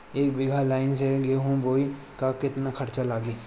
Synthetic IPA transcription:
eːkbɪːɡʱalaːɪnseɡeɦũboːi | kakɪt̪nakʰɐɾt͡ʃalaːɡiː

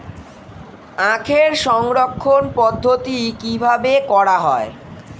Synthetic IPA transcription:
ãkʰeɾʃɔŋɾokʰːonpɔd̪ʱːot̪ikibʱabekɔɽaɦɔe

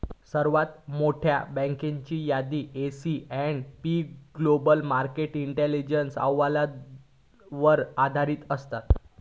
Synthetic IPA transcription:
səɾʋat̪moʈʰja̰bə̃ŋkẽɲt͡ɕiːjad̪iːesiɛɳɖpiɡlobəlmaɾkeʈiɳʈelid͡ʑənsa̰wala | ʋəɾad̪ʱaɾiːt̪əst̪at̪

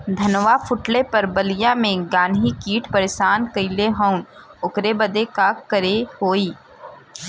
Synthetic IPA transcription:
d̪ʱɐnʋafʰʊʈlepɐɾbəlɪjãmẽɡãːnʱikiːʈʰpəɾeʃaːnkəɪleɦəʊnʊkɾebɐd̪ekaːkːəɾehoːiː

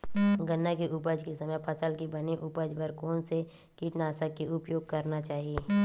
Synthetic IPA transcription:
ɡənːakeʔʊpəd͡ʒkesɐməjpʰɐsəlkibɐneʔʊpəd͡ʒbəɾkoːnse | kiːʈnaːsəkːiʊpjoːɡ̚kɐɾnat͡ʃaːɦieː

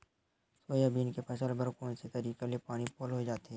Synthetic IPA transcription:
soːjabʱiːnkepʰɐʃəlbəɾkoːnset̪ɐɾiːkaliepaːɽ̃ipoːlɦoid͡ʒaːt̪ɦɛː

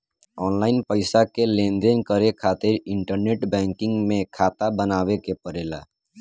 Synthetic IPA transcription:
ɔːnlaɪnpəɪsakelẽnd̪enkəɾekʰaːt̪ɪɾɪɳʈəɾneʈbɛ̃ŋkɪ̃ŋɡmẽkʰaːt̪abənaːbekepəɾela̰

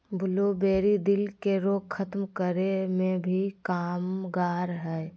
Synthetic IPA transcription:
bʱʊlobeːɾid̪ɪlkeɾoːɡkʰət̪mkəɾemẽbʱikaːmɡaːɾɦɛ

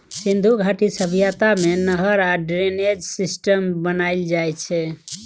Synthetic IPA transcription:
sind̪ʱuɡʱaʈisəbʱijat̪amenəɦəɾaɖɾened͡ʒsisʈəmbənaild͡ʒajt͡ʃʰɛ

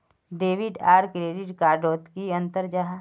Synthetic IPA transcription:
ɖeːʋɪɖaːɾkɾeːɖɪʈkaːɾɖoːt̪kiɐ̃nt̪əɾd͡ʒaɦ

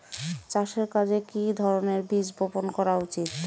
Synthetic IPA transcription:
t͡ɕaʃeɾkad͡ʑekid̪ʱɔɾoneɾbid͡ʑboponkɔɾaut͡ɕit̪

